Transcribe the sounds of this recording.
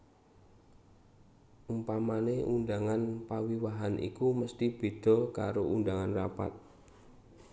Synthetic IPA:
ʔumpamaneʔundaŋanpawiwaɦanʔḭkuməst̪ib̥e̤d̪̥ɔ̤ka̰ɾoʔund̪aŋanrapa̰t̪̚

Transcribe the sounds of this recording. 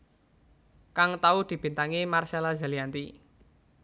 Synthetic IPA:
kaŋt̪aud̪̥i̤b̥i̤nt̪aŋimarʃalaza̤liant̪i

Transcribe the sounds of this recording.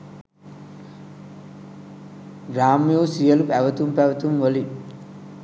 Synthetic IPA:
ɾaːmjoːsijɐlupɛʋɐt̪umpɐʋɐt̪umʋɐli

